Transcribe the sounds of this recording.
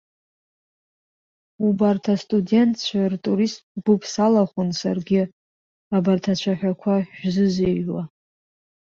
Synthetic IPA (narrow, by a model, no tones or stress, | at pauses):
ubartʰastʼudʲe̞ntʼʰt͡ʃʷʰartʼuɾistɡʷʊpʰʼsalaχʷʊnsa̰rɡʲɪ | abartʰat͡ʃʷʰaħᶣakʷʰaʃᶣzɨzewa